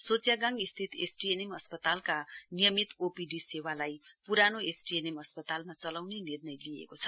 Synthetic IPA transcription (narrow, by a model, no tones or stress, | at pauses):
sot͡sjaɡãŋist̪ʰit̪ḛsʈienemʌspʌt̪alkanijʌmit̪opiɖisewalajpuɾanoesʈienemʌspʌt̪almat͡sʌlawnenirnʌjliḛkot͡sʰʌ